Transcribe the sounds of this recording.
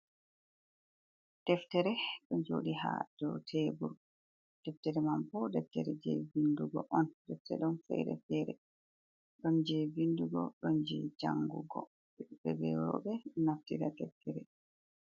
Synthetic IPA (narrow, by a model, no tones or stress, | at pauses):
d̥ɛftɛɾɛɗɔnd͡ʒo̰ːɗiɦa̰d̥ɔtʰebuɾ | d̥ɛftɛɾɛmampɔdɛftɛɾɛd͡ʒɛ̰vinduɡɔʔɔndɛftɛ̰ɗɔnfɛ̰ɾɛ̰fɛɾɛ | ɗɔnd͡ʒɛvinduɡɔɗɔnd͡ʒɛ̰d͡ʒaŋɡuɡɔ̰ | ɛɗubɛɡɛwɔ̰ːɓɛnaftiɾatɛftʰɛɾɛ